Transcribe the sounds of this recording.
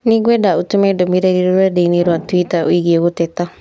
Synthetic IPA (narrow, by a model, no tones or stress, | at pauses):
niɡwɛdaotumɛdomiɾeɾiɾoɾadeineɾwatuitao̰iɣieɣotɛta